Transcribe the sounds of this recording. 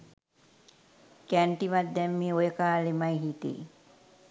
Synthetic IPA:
kæɳʈiʋat̪̚d̪ɛmːiːojəkaːlemajɦit̪ḭ

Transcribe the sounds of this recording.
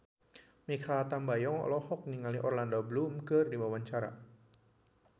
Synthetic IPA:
mikʰat̪ambajɔŋɔ̰lɔhɔk̚niŋaliʔɔrlandɔblumkərdiwawaɲt͡ʃaɾa̰

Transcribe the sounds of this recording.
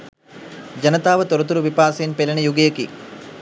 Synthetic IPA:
d͡ʒɐnɐt̪aːʋɐt̪oɾɐt̪uɾuʋipaːsɐnpelɐnɐjuɡejɐkḭ

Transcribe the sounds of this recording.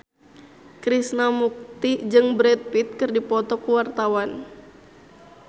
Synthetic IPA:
kɾisnamuk̚t̪id͡ʒɨŋbɾɛt̪̚pit̪̚kɨrdipɔt̪ɔkuwart̪awan

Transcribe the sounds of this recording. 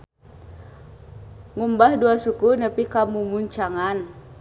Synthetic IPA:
ŋumbahduasukunapikamumuɲt͡ʃaŋan

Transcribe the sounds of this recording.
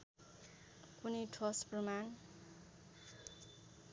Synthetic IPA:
kuniʈʰʌspruman

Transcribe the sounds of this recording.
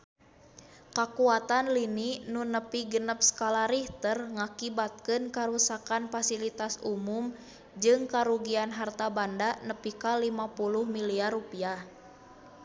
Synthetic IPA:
kakuat̪anlininunəpiɡənəp̚skalaɾiht̪ərŋakibat̪̚kɨnkaɾusakanfasilit̪asumum | d͡ʒɨŋkaɾuɡianɦart̪abandanəpikalimapuluhmiliarupiah

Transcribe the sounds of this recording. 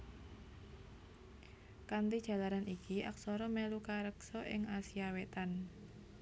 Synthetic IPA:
kant̪i̥ʒ̥a̤laɾanikʰiʔak̚sɔɾɔmɛlukaɾəksɔʔɪ̰ŋasiawet̪an

